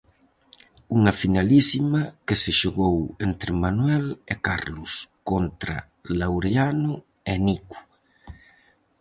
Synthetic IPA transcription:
uŋɐfinalisimakeseʃoɣowent̪ɾɪmanwɛlekaɾlʊskont̪ɾa̰ | lawɾeanʊ | eniku̥

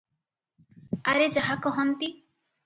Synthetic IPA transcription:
aɾed͡ʒaɦakɔɦɔnt̪i

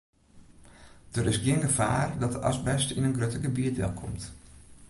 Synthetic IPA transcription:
d̥əɾɪsɡiənɡəva̰ːrdɔtəʔɑ̰sbɛstinənɡrøtəɡəbiətɪ̰lˠkʰɔ̰mt

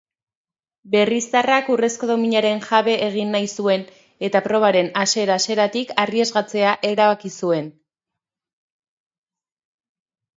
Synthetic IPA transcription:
be̞rist̪arakure̞sko̞ðo̞miɲaɾe̞nʝaβe̞ʔːɣ̞inːajsue̞n | e̞t̪apɾo̞β̞aɾe̞naseɾase̞ɾat̪ikariezɣat͡se̞aʔe̞ɾaβakisue̞n

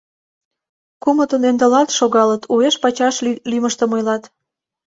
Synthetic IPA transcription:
kumə̆t̪ə̆nend̪ə̆lɑt̪ʃoɣɑlət̪ʰueʃpɑt͡ɕɑʃlyməʃt̪ə̆mojlɑt̪

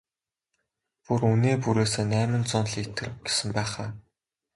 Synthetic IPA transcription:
puruneːpuɾeːseːnæːmɘ̆nt͡sʊnɮit̪ɘ̆rɡ̥e̥sɘ̆mpæːχaː

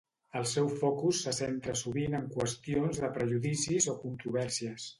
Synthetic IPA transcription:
əlˠsɛwfɔkusːəsent̪ɾəsuβinəŋkwəst̪ionzðəpɾəʒuðisizokunt̪ɾuβɛɾsiəs

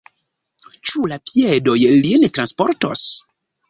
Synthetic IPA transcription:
t͡ʃulapiedojlinetɾanspoɾtos

